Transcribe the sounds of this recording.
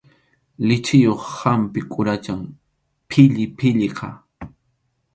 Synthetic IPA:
lɪt͡ʃɪjoχhampɪkʼʊɾat͡ʃaŋ | pʰɪʎɪpʰɪʎɪqʰɑ̰

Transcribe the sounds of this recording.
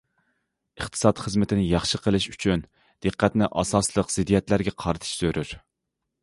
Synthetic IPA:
əχt̪ʰɨ̥sɑt̪χəzmɪt̪ʰɪnɪjɑχʃəqʰəlˠɨʃyt͡ʃʰyn | d̪̥əqːæt̪nɪʔɑsɑslˠəqz̥ɪd̪ijɛt̪læɾɡʲɛqʰɑɾɨt̪ʰɨ̥ʃsøɾyɾ

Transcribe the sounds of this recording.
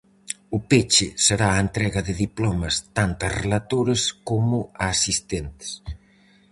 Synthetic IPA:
ʊpet͡ʃɪseɾaːent̪ɾɛɣɐðɪðiplɔmɐst̪ant̪ɐrelat̪oɾeskomʊaːsist̪ent̪ɪ̥s

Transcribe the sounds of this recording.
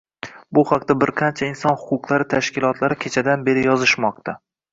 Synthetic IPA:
bʊhaqt̪abɪɾqʰɑnt͡ʃʰaɪnsɒnhʊqʊqlˠaɾɪt̪ʰaʃkʲɪlˠɒt̪ʰlaɾɪkʲʰet͡ʃʰad̪anbe̞ɾɪjɒzɪʃmɒq̚t̪ʰa

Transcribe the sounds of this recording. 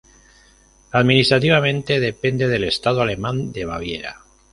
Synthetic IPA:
aðminist̪ɾat̪iβ̞amẽ̞nt̪e̞ð̞e̞pend̪e̞ðe̞le̞st̪aðoale̞mãnd̪eβ̞a̰βjḛɾa̰

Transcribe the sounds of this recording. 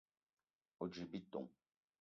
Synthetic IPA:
od͡ʒibit̪ɔ̰̃

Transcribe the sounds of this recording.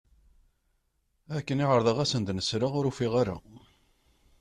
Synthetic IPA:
ækːəniʁəɾˤðˤəʁæsənd̪nəsɾaʁʊɾufiʁaɾa̰

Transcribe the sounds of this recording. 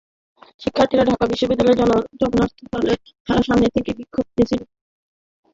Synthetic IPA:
ʃikʰːaɾt̪iɾaɖʱakabiʃːobid̪ːalɔed͡ʑɔloɾd͡ʑɔɡonaɾt̪ʰopale | d̪ʰʱaɾaʃamnet̪ʰekebikʰːob̚d̪iet͡ɕʰil

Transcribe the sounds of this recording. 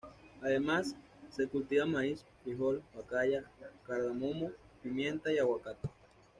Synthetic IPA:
aðemasː | ekult̪iamais | iɦolwakajakaɾðamomopimjent̪aiawakat̪ḁ

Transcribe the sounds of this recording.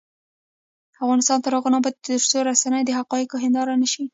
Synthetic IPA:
afɣɑnɪst̪ɑnt̪aɾoɣanabɑjd̪əɾsoɾasanəjd̪əɦaqɑjɪkoɦɪnd̪ɑɾanəʃi

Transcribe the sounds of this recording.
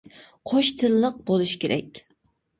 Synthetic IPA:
qʰoʃt̪ʰɨlːəq̚bolˠuʃkʲʰeɾʔɛ̰kʲ

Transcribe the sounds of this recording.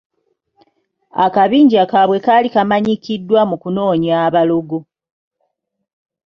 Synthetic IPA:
a̰kaβiːɲɟakaβwe̞kalikamaɲikidːwamukuno̞ːɲaːβalo̞ɡo̞

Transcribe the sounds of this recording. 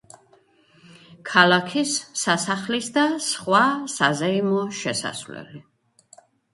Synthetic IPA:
kʰalakʰisːasaχlisd̪asχwasazɛimɔʃɛsa̰svlɛ̰li

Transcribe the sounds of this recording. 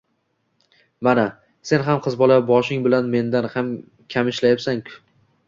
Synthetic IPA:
mana | se̞nɦamqʰɨzbɒlabɒʃɪŋbɪlanme̞nd̪anham | kʲʰamɪʃlajasaŋkʲʰʊ̥

